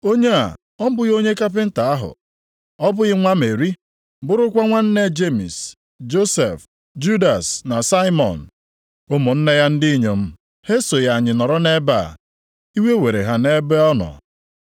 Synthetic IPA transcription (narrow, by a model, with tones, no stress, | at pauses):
o˦ɲe˦a̰˨ | ɔ˦m̩˦bʊ˦ɣo˦ɲe˦ka˦p̬ɪ˦n̩˦ta˨a˦ɦʊ̰˨ | ɔ˦bʊ˦ɣɪ˦ŋʷa˦me˨ɾi˦ | bʊ˦ɾʊ˦kʷa˦ŋʷa˦n̩˦ne˦d͡ʒe˦mḭ˨s | d͡ʒo˦se˨f | d͡ʒu˦da˨sna˨sa˦ɪ˦mɔ̰˨n̩˨ | ʊ˦mʊ˨n̩˦ne˦ja˦n̩˦di˦ɲe˨m̩˦ | he˦so˨ja˨ɲɪ˨nɔ˨ɾɔ˦ne˦ba̰˦˨ | i˦we˦we˨ɾe˨ɦa˨ne˦be˦ɔ˦nɔ̰˨